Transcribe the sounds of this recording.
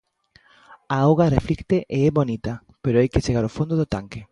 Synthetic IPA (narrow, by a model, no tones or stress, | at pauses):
aowɣareflikt̪eʔeɛβonit̪ɐ | peɾoajket͡ʃeɣaɾofond̪oðot̪aŋke